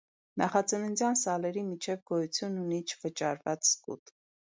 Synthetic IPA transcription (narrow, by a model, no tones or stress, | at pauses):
nʔɑχɑt͡sənunt͡sjɑnsɑlɛɾimit͡ʃʰɛvɡɔjut͡sʰjununit͡ʃʰvət͡ʃɑ̰ɾvɑt͡sskṵt̪